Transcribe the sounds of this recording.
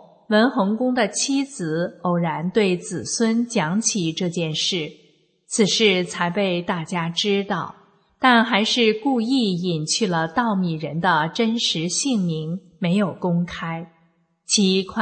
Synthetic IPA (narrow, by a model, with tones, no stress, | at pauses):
wə˧˥nxɤ˧˥ŋkʊ˥ŋd̪ə˨t͡ɕʰi˥t͡sɹ̩˧˩˦o˨˩ʊɻa˧˥nt̪we˥˩ɪt͡sɹ̩˨˩swə˥nt͡ɕjɑ˧˥ŋt͡ɕʰi˨˩ʈ͡ʂɤ˥˧t͡ɕjɛ˥˧nʂɻ̩˥˩ | t͡sʰɹ̩˨˩ʂɻ̩˥˩t͡sʰa˧˥ɪpe˥˧ɪt̪a˥˩t͡ɕja˥ʈ͡ʂɻ̩˥t̪ɑ˥˩ʊ | t̪a˥˩nxa˧˥ɪʂɻ̩˥˧ku˥˧i˥˩i˨˩nt͡ɕʰy˥˩lə˩t̪ɑ˥˩ʊmi˨˩ɻə˧˥nd̪ə˧ʈ͡ʂə˥nʂɻ̩˧˥ɕi˥˩ŋmi˧˥ŋ | me˧˥ɪjo˨˩ʊkʊ˥ŋkʰa˥ɪ | t͡ɕʰi˧˥kʰwa˥